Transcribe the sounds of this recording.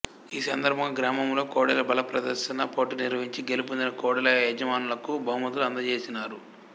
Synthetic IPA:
iːsɐnd̪ɐɾbʱɐŋɡɐɡɾaːmɐmlo̞ːkɔːɽɐlɐbɐlɐpɾɐd̪ɐɾʃɐnɐpoːʈiniɾʋɐɦiɲt͡ʃiɡe̞lup̬und̪inɐkɔːɽɐlɐɛːd͡ʒɐmaːnulɐkubʱɐɦumɐd̪uluɐnd̪ɐt͡ʃe̞ːsinaːɾu

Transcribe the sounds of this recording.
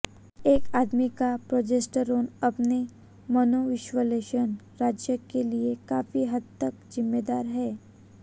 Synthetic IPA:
eːkaːd̪mikapɾoːd͡ʒesʈəɾoːnɐpne | mɐnoʋɪʃwəleːʃən | ɾaːd͡ʒjəkeliekaːfiɦɐd̪̚t̪əkzɪmːed̪aːɾɦɛː

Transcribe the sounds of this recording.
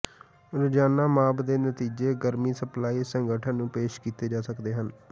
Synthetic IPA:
ɾʊd͡ʒaːnaːmaːbd̪eːnət̪iːd͡ʒeːɡəɾmiːsəplaːiːsəŋɡəʈʰənnũːpeːʃkiːt̪eːd͡ʒaːsəkd̪eːɦən

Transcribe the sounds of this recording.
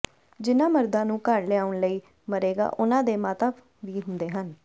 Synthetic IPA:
d͡ʒɪnãːməɾd̪ãːnũːkəɾleaːʊɳləiː | məɾeːɡa̰ːʔʊnãːd̪eːmaːt̪aː | ʋiːɦʊnd̪eːɦən

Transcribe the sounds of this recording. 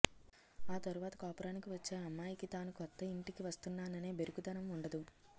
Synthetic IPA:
aːt̪ɐɾuʋaːt̪ɐkaːpɾaːnikiʋɐt͡ʃːeːɐmːaːjikit̪aːnukɔt̪ːɐiɳʈikiʋɐst̪unːaːnɐne̞ːbe̞ɾukud̪ɐnɐmuɳɖɐd̪u

